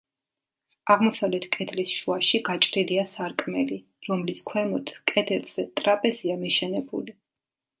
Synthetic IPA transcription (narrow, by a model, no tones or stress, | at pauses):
aʁmɔsavlɛt̪ʰkʼɛd̪lisʃuaʃiɡat͡ʃʼɾiliasaɾkʼmɛli | ɾɔmliskʰwɛmɔt̪ʰkʼɛd̪ɛlz̥ɛt̪ʼɾapʼɛziamiʃɛnɛbṵli